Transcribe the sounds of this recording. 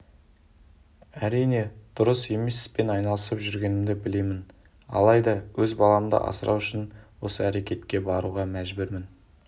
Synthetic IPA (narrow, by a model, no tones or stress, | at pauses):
æɾijne̞d̪̥ʊɾəse̞me̞sɪ̥zpe̞nɑjnɑlˠəsəpʒʏɾɡʲe̞nɪmd̪ɪbɪle̞mɪn | ɑ̰lˠɑjd̪ɑwɵzbɑlˠɑməd̪ə̰ʔɑ̰səɾʔɑ̰wʏʃɪnwo̞səæɾe̞kʲe̞t̪kʲe̞bɑɾuʁɑmæʒbʏɾmɪn